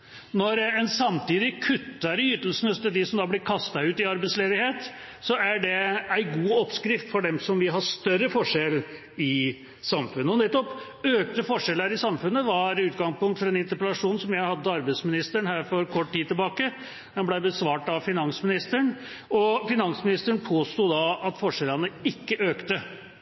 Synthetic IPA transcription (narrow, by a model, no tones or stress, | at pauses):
nɔɾɛnsɑmt̪iːd̪ɪkʰʉt̪ːɑɾjʏt̪ːəl̩sn̩ɛst̪əɖɪsɔmd̪ɑːblɪɾkʰɑst̪ɑʉːt̪ɪɑɾbæɪsleːd̪ɪheːt̪ | sɔæɖɛæɪɡuːɔpːskɾɪft̪fɔɖɛmsɔmʋɪɦɑʂt̪œɾəfɔʂɛl | ɪ | sɑmfʉnːəɔnɛt̪ːɔp | øːk̚t̪əfɔʂɛləɾɪsɑmfʉnːəʋɑɾʉːt̪ɡɑŋspʊŋkt̪fɔɾɛnɪnt̪əɾpəlɑʂuːnsɔmjæɪhɑd̪ːəɑɾbæɪsmɪnɪst̪əɳɦæːɾfɔɾkʰɔʈːt̪iːd̪t̪ːɪlbɑːkə | d̪ɛmblæɪbəsʋɑːʈɑʋfɪnɑnsmɪnɪst̪əɳ | ɔfɪnɑnsmɪnɪst̪əɳpʰoːst̪uːd̪ɑɑt̪fɔʂɛlənəɪkːəʔøːkt̪ə